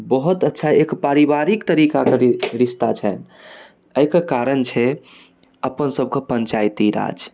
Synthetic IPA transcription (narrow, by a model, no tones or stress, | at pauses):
bəɦut̪ətːʃʰaekpaɾibaɾikt̪əɾikakeɾɾist̪at͡ʃʰɛn | əjkekaɾənt͡ʃʰɛ | əpənsəb̚kepənt͡ʃajt̪iɾa̰d͡ʒ